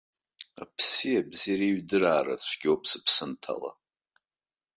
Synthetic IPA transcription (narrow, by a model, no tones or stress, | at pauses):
a̰pʰsijabziraiɥdɨraːra̰t͡sʷʰɡʲopʰsɨpʰsɨntʰa̰la̰